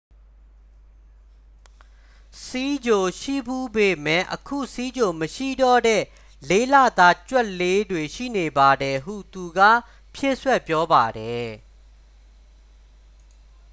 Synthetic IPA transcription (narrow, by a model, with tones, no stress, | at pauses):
si˦d͡ʑo˨ʃḭ˦˨bu˦˨be˨mɛ̰˦˨ʔəkʰṵ˦˨si˦d͡ʑo˨məʃḭ˦˨dɔ˦˨dɛ̰˦˨ | le˦˨lä̰˦˨d̪a˦t͡ɕwɛ˦ʔle˦dwe˨ʃḭ˦˨ne˨ba˨dɛ˨ɦṵ˦˨t̪u˨ɡä̰˦˨ | pʰje˦˨swɛ˦˨pjɔ˦ba˨dɛ˨